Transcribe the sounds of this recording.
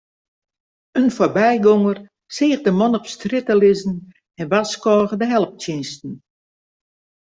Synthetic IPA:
ənforbɛjɡoŋər | sɪːxdəmɔnɔpstrɪtəlɪzn̩ | ɛnʋaskɔːɣədəɦɛlˠəp̚tjɪnstn̩

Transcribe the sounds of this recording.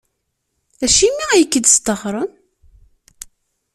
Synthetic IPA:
æʃimːiæjəkːəd̪st̪əχɾˤən

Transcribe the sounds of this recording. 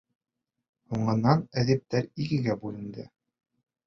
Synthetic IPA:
huɴɤ̆nːɑnæðip̚t̪æɾiɡɘ̆ɡæbʉlɘ̆nd̪ɘ

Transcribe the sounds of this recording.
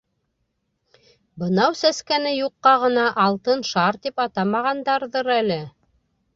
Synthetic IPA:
bɤ̆nɑwsæskænɘjuqːɑʁɤ̆nɑʔːlˠt̪ɤnʃɑɾt̪ipɑt̪ɑmɑʁɑnd̪ɑɾðɤɾælɘ

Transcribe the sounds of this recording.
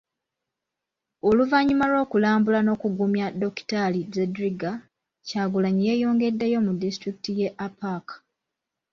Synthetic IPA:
oluvaɲːimalo̞ːkulaːmbulano̞ːkuɡumjado̞ki̥talizedɾiɡa | caːɡulaɲije̞ːjo̞ːŋɡe̞dːejo̞mudːistɾiki̥tije̞ʔapakḁ

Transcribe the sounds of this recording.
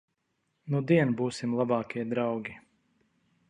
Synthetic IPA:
nud̪iɛnbuːsimlˠabɑːkʲiɛd̪ɾawɡʲi

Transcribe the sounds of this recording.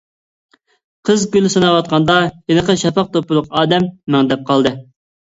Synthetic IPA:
qʰəzɡʲylɪsɑnɑwɑt̪̚qʰɑnd̪ɑjenəqəʃɑpɑq̚t̪opulˠʊqɑːd̪ɛmːɛŋd̪ɛp̚qɑlˠd̪ɨ

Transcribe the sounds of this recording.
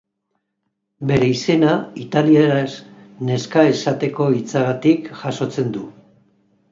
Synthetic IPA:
be̞ɾe̞ise̞nait̪alieɾas | ne̞skae̞sat̪e̞ko̞it͡saɣat̪ikʝaso̞t͡se̞nd̪u

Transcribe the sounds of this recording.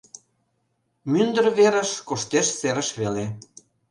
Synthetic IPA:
mynd̪ə̆ɾβeɾə̆ʃkoʃt̪eʃseɾə̆ʃβele

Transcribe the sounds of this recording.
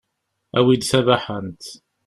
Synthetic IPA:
æ̰wid̪sævaħənt̪

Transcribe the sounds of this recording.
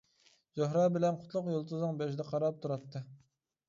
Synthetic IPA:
zoɦɾɑbɪlɛnqʰʊ̥t̪ʰlˠʊqjolˠt̪uzɨŋbɛʃd̪ɛqʰɑɾɑp̚t̪ʰuɾɑt̪ʰːɨ

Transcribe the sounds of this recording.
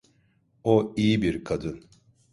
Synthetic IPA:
oijibiɾkʰad̪ɯn

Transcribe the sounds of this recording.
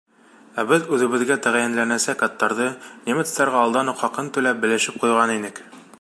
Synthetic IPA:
æbɘðʉðɘ̆βɘ̆ðɡæt̪æʁæjænlænæsækːat̪ːɑɾðɤnemɘt̪st̪ɑɾʁɑɒlˠd̪ɑnuqχɒqɤnt̪ʉlæp̚bɘ̆lɘ̆ʃɘp̚qujʁɑninɘk

